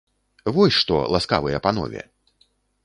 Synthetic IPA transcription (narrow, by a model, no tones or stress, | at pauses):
vɔsʲʂt̪ɔ̰lˠaska̰vɨjɛpanɔ̰vʲɛ̰